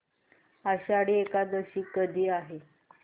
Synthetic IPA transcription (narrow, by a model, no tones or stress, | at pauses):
aɕaɽiekad̪əɕiːkəd̪ʱiːaɦe